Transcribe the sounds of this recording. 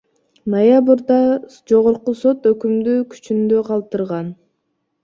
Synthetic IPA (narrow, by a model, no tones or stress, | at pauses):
nojabɯɾd̪ɑd͡ʒo̞ʁoɾquso̞t̪økymd̪yːkʰy̥t͡ʃynd̪øqʰɑlˠt̪ɯɾʁɑn